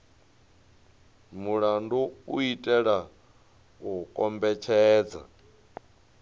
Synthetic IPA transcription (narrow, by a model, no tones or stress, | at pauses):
muɺanduuitʼɛɺa | ukʼɔmbɛt͡ʃʰɛːd͡za̰